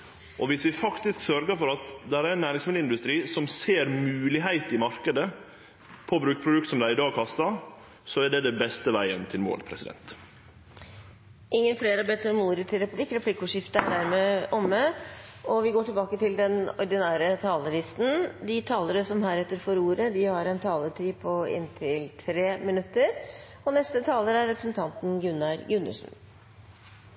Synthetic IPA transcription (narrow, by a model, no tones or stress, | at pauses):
ʔɔʋɪsʋɪfɑkt̪ɪsksœɾɡəɾfɔɾɑt̪d̪ɛæɾæɾnːæːɾɪŋsmɪd̪əɪnd̪ʉst̪ɾiːsɔmseːɾmʉːlɪɦæɪt̪ɪmɑɾkəd̪ə | pʰɔbɾʉːkpʰɾʊd̪ʉk̚t̪sɔmd̪æɪɪd̪ɑːɡ̚kʰɑst̪ɑ | sɔæɖɛd̪ɛbɛst̪əʋæɪə̰nt̪ʰɪlmo̰ːlpʰɾɛ̰sɪd̪ɛ̰nt̪ | ʔɪŋːənfleːɾəɑbɛːt̪ːɔmuːɾət̪ʰɪlɾɛpʉblɪkɾɛpʰlɪkːuʂɪft̪əæɖæɾmɛʔɔmːəɔʋɪɡoːʈɪlbɑːkət̪ɪld̪ɛnɔɾd̪ɪnæːɾət̪ʰɑːləlɪst̪n̩d̪ɪt̪ʰɑːləɾəsɔmɦæːɾɛt̪ːəɾfɔɾuːɾəd̪ɪhɑɾɛnt̪ʰɑːlət̪ʰɾiːpʰɔɪ̰nt̪ʰɪlt̪ʰɾeːmɪnʉt̪ːəɾ | ɔnɛst̪ət̪ʰɑːləɾæɾːɛpɾəsɛnt̪ʰɑnt̪nɡʉnɑɾɡʉnːə̰ʂn̩